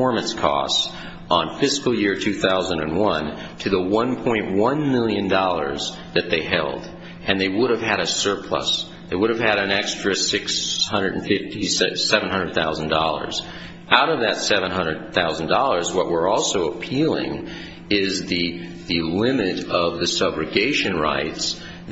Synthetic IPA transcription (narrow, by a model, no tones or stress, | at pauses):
ɔɹmɨ̃nskʰɔ̰sts | n̩fɪskl̩ˠjɪɹtʰʉθaʊzə̃ndɨ̃nwʌ̃n | tʰɨðəwʌ̃npʰɔ̃ɪ̃nʔwʌ̃nmɪlˠjɨ̃ndɔlˠə̰˞z | ðɨt̪̚ðeɪɦɛ̰lˠd | ɨ̃nðeɪwʊɾɨv̥ɨɾɨsɜ˞pʰl̥ʌ̰s | ðeɪwʊɾɨv̥ɨɾɨ̃nɛkstɹ̥ɨsɪkshʌ̃ndɹə˞dn̩fɪftissɛṽnɦʌ̃ndə˞d̪̚θaʊzn̩dɔlˠə̰˞z | ʔaʊɾʌvðɨtsɛvə̃nɦʌ̃ndɹəd̪̚θaʊz̃n̩dɔlˠə˞zwʌʔwəɹɔlˠsoʊəpʰilˠɪ̰̃ŋ | ɪzðɨ | ðɨlɪ̃mɨɾʌvðɨsʌbɹɨɡeɪʃɨ̃nɹa̰ɪts